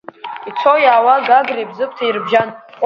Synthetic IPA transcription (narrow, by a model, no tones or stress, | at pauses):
it͡sʰojaːwaɡaɡribzɨkʷʰʼtʰairbʒanχʼ